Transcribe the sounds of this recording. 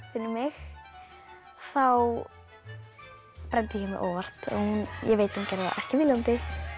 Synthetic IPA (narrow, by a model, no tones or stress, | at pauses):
fɪnːʏmɪx | θaw | pɾɛnt̪ɪjɪmɪ̰ʔoːwvar̥t̪ɔ̰hunjɛɣveːjt̪ḁhuncɛjɾɪða̰ʔɛhcɪvɪlant̪ɪ